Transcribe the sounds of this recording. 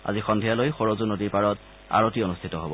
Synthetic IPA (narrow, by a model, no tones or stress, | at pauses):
a̰zixɔndʱijalojxɔɹozunodiɹpaɹɔt | a̰ɹotionustʰitɔɦobɔ